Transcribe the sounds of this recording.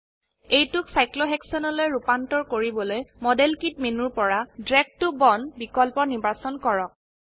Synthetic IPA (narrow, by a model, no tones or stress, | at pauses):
ejtʊksajkloɦɛksɔnɔlojɹupantɔɹkoɹibɔlojmɔdelkit̚menuɹpɔɹadɹɛɡ̚tʊbɔnbikɔlpɔnibasɔnkɔɹɔk̚